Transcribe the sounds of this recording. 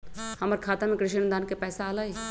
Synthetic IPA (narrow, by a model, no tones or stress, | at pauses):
hɐməɾkʰaːt̪amẽkɾɪʃənd̪ʱaːnkepɛːsaaːlae